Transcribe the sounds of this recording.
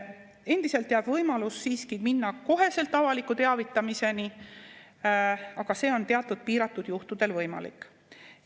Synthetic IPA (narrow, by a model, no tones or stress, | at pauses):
e̞nd̪̥iselt̪ːˑeɑb̥vɤjmɑlusːiːskiminːɑko̞ɦe̞se̞lt̪ˑːɑvɑlikːˑut̪e̞ɑvit̪ːˑɑmise̞ni | ɑɡ̥ɑse̞ːo̞nt̪e̞ɑt̪ːˑud̪̥̚piːɾɑt̪ːˑud̪̥juht̪ud̪̥e̞lvɤjmɑ̰lḭkːˑ